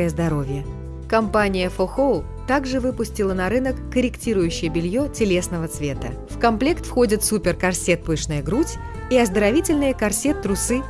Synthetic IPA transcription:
əjəzd̪ɐɾo̞vʲjə | kɐmpanʲɪjəfoxolˠ | t̪aɡʐɨvɨpʊsʲtʲɪlˠənɐɾɨnəkːəɾʲɪktʲiɾʊjʉɕːɪjəbʲɪlʲjo̞tʲɪlʲe̞sn̪əvət̪svʲe̞t̪ə̰fkɐmplʲe̞kt̪fxo̞dʲɪt̪supʲɪrkɐrsʲet̪̚pɨʂnəjəɡɾutʲ | iɐzd̪əɾɐvʲitʲɪlʲnɨjəkɐrsʲe̞t̪ːɾʊsɨ

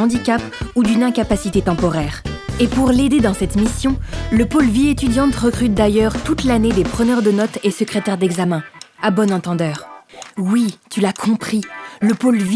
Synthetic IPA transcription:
d̪ikʲapud̪ynɛ̃kapasit̪et̪ɑ̃pɔʁɛːʁepuʁled̪ed̪ɑ̃sɛt̪misjɔ̃ləpolviet̪yd̪jɑ̃t̪ʁəkχyt̪̚d̪ajœʁt̪ut̪laned̪epχənœʁd̪ənɔt̪esəkχet̪ɛʁd̪ɛɡzamɛ̃abɔnɑ̃t̪ɑ̃d̪œːʁwit̪ylakʰɔ̃pχiləpolv

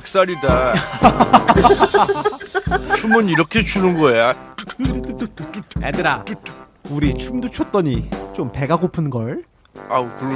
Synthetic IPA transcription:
ak̚s͈aɾida | t͡ɕʰumɯniɾʌkʰe̞t͡ɕunɯnɡʌeja | edɯɾa | uɾit͡ɕʰumdut͡ɕʰʌt̚t͈ʌɲit͡ɕompe̞ɡaɡopʰɯnɡʌɭ | ak

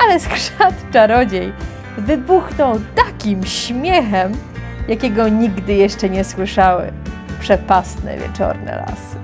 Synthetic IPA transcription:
alɛskʂat̪t͡ʂaɾɔd͡ʑej | vɘbuxnɔwt̪akʲimɕmʲjɛxɛm | jakʲɛɡɔɲiɡd̪ɘjɛʂt͡ʂɛɲɛswɘʂawɘ̰pʂɛpast̪nɛ̰vʲjɛ̰t͡ʂɔ̰ɾnɛ̰la̰sɨ̥

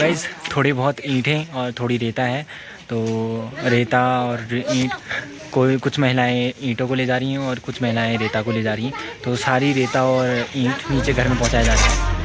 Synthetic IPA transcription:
aːɪzt̪ʰoːɽebɔɦʊt̪ĩːʈʰẽɔːɾt̪ʰoːɽiɾeːt̪aɦɛː | t̪oːɾeːt̪aɔːɾĩːʈ | koːkʊt͡ʃʰmɛɦɪlaːẽĩːʈõkoled͡ʒaːɾɦiɦɛ̃ɔːɾkʊt͡ʃʰmɛɦɪlaːẽɾeːt̪akoleːd͡ʒaːɾəiɛ̃t̪oːsaːɾiɾeːt̪aɔːɾĩːʈniːt͡ʃeɡʱɐɾmẽpɐ̃ɦʊ̃t͡ʃajd͡ʒaːɾaɦɛː

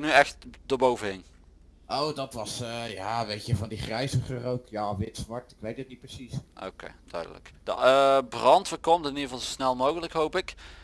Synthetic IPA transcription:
nyɛxt̚d̥oːɹbowvəɦɪŋ | ʔowdɑtʋɑsəjaːʋejtəvɑndiχrɛjzəχərowkjaːʋɪtsʋɑɹ̚tɪkʋejt̚ət̚nit̚pəsisʔo̰wkḛjd̥œ̰ɥdə̰lə̰kd̥̰əbrɑntfəkɔmtɪnidəvɑlˠzosnɛlˠmowɣələkɦowpɪk

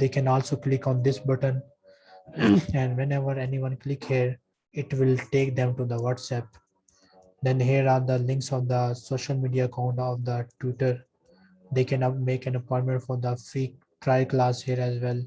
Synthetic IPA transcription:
d̪eːkɛ̃nɔːlsoːklɪkɔ̃ːnd̪ɪsbʌʈə̃n | ɛ̃ɳɖʋɛ̃nɛʋəɾɛniʋʌ̃nklɪkhiəɾ | ɪʈʋɪlʈeːk̚d̪ɛ̃mʈud̪əʋʌʈsɛp̚ | d̪ɛ̃nɦiəɾaːɾd̪əlɪ̃ŋksɔʋd̪əsoːʃəlmiːɖiaːkãʊ̃ɳʈɔːʋd̪əʈjuʈəɾ | d̪eːkɛ̃nmeːkɛ̃nɐpɔ̃ɪ̃ɳʈmɛ̃ɳʈfɔːɾd̪əfiː | ʈɾaɪlklaːshiːəɾɛzʋɛl

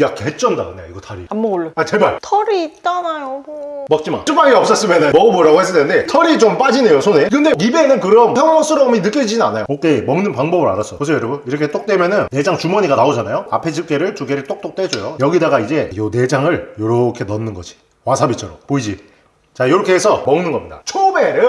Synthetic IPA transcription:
jakʰːeet͡ɕ͈ʌndaɯneiɡʌtʰʌɾiamːʌoɭːɯat͡ɕebaɭtʰʌɾit͈anajomʌk̚t͡ɕ͈ima̰t͡ɕʰup͈aŋiʌp̚s͈ʌs͈ɯmenamʌɡɯmoɾaɡohes͈ɯd̪ʰenɯnde̞tʰʌɾit͡ɕomp͈ad͡ʑinejosʰonekɯnde̞ibe̞nɯnkɯɾʌmpʰjʌŋmʌsʰɯɾʌminɯk͈jʌd͡ʑinɯnanajo̰ok͈emʌŋnɯnpaŋbʌbɯɾa̰ɾas͈ʌkos̬ʰejʌɾʌbɯniɾʌkʰe̞t͈ok̚t͈wemjʌnɯnne̞d͡ʑaŋt͡ɕumʌɲiɡanaod͡ʑanajoa̰pʰe̞d͡ʑip̚k͈eɾɯɭt͡ɕuɡeɾit͈ok̚t͈ok̚t͈wed͡ʑojojʌɡidaɡaid͡ʑe̞jone̞d͡ʑaŋɯɭjoɾʌkʰe̞nʌnːɯnɡʌd͡ʑi̥ | wasʰabit͡ɕʰʌɾopoid͡ʑi | t͡ɕajoɾʌkʰeːsʰʌmʌŋnɯnɡʌmɲida̰t͡ɕʰobeɾɯ

